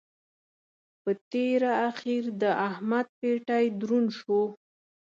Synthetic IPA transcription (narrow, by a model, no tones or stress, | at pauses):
pət̪eɾaːxiɾd̪əahmad̪̚peʈajd̪ɾunʃo